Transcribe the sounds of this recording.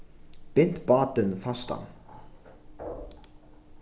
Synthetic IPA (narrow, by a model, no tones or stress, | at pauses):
b̥ɪnt̪bɑːt̪ənfɑst̪ɑ̰n